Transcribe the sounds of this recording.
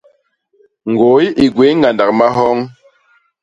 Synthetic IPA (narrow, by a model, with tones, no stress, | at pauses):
ŋ˨ɡo˨˦i˦ʔi˨ɡwe˨˦ŋ˦ɡa˨nda˨k̚ma˦ɦɔ˦ŋ